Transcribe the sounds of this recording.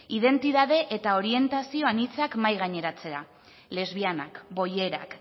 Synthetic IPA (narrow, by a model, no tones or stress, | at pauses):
iðe̞nt̪iðaðe̞ʔet̪ao̞ɾie̞nt̪asio̞anit͡sakmajɣ̞aɲe̞ɾat͡se̞a | le̞zβiana̰kbo̞je̞ɾa̰k